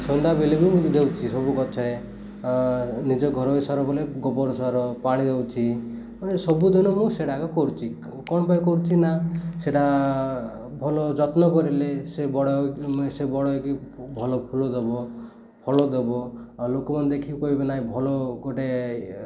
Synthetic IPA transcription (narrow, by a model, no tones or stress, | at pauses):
sɔnd̪abilebimũd̪ewt͡ʃʰisɔbukɔt͡ʃʰɔɾe | nid͡ʒɔɡʱɔɾɔisɔɾɔbɔleɡɔpɔɾɔsɔɾɔpaɽ̃id̪ewt͡ʃʰi | panesɔbud̪inɔmũseɽakɔkɔɾut͡ʃʰi | kɔɽ̃ɔpajkɔɾut͡ʃʰinaseʈa | bʱɔlɔd͡ʒɔt̪nɔkɔɾilesebɔɽɔksebɔɽɔkibʱɔlɔpʰulɔd̪ebɔ | pʰɔlɔd̪ebɔlokɔmand̪ekʰikɔɦibenaĩbʱɔlɔɡoʈe